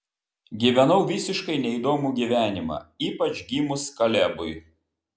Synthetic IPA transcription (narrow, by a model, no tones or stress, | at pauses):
ɡʲiːʋʲɛnɐʊʋʲɪsʲɪʃkɐɪnʲɛid̪oːmuːɡʲiːʋʲæːnʲɪmɑ̰ːiːpɐt͡ʃɡʲimʊskɐlʲɛbʊɪ